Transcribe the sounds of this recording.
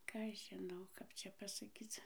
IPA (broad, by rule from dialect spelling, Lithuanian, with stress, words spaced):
ˈkɑː ɐʃ ʒʲɪˈnɐʊ ˈkɐp t͡ʃʲɛ pɐsɐˈkʲiːt͡s